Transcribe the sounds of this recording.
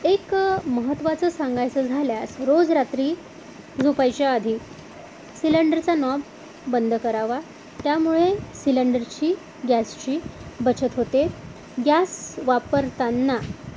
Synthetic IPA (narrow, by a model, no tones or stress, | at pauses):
ekməɦət̪ːʋat͡səsãŋɡajt͡səd͡zʱaljasɾod͡zɾat̪ɾiː | d͡zupajt͡ɕjaəd̪ʱiː | siləɳɖəɾt͡sanɔb | bənd̪ʱəkəɾaʋa | t̪jamuɭesiləɳɖəɾt͡ɕiː | ɡjæst͡ɕiːbət͡ɕət̪ɦot̪e | ɡjasʋapəɾt̪anːa